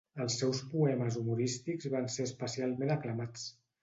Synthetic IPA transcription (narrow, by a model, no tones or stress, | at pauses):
əlˠsːɛwspuɛməzumuɾist̪iɡzβanseəspəsialˠmenəkləmat͡s